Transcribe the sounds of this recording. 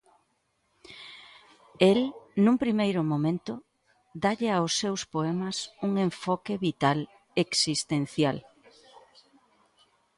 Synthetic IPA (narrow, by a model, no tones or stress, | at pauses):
elnũmpɾimejɾʊmõmẽnt̪ʊ | d̪aʎeawsːewspoemɐsuŋeɱfɔkeβit̪al | eksist̪en̟θjal